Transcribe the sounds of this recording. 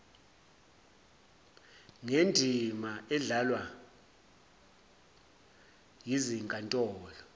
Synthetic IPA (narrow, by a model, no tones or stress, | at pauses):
ŋendʱimaɛɮalwa | jiziŋkʼantʼɔːlɔ